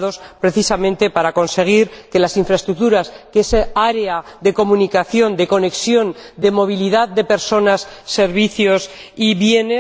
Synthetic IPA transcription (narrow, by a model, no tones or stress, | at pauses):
ðo̞spɾe̞θisamẽ̞nt̪e̞paɾako̞nse̞ɣ̞iɾke̞lasiɱfɾaest̪ɾuk̚t̪uɾaskeeseaɾeaðe̞ko̞munikaθjo̞nd̪e̞ko̞ne̞ksjo̞nd̪e̞mo̞β̞iliðaðd̪e̞pe̞ɾso̞nasːe̞ɾβiθjo̞siβje̞ne